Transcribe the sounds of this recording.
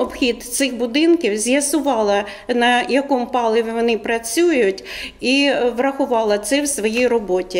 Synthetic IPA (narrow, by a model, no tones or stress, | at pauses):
ɔbxʲid̪t̪sɪxbʊd̪ɪnkʲiwzʲjɐsʊʋɑlˠɐ | nɐjɐkɔmpɑlˠɪʋʲiʋɔnɪpɾɐt͡sʲujʊjʊtʲiʋrɐxʊʋɑlˠɐt̪sɛwsʋɔjijrɔbɔtʲi